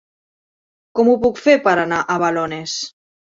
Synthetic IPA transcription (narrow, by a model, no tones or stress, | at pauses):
kɔmupukfepəɾanaʔəβalones